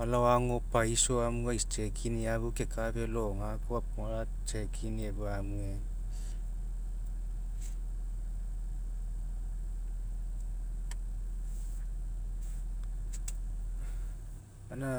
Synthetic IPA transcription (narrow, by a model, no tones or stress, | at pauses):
alawaŋopajsoamuɡajst͡ʃekʰiniabukekabeloŋakoap̚ŋoɾa | t͡ʃekʰiniebuamue | ana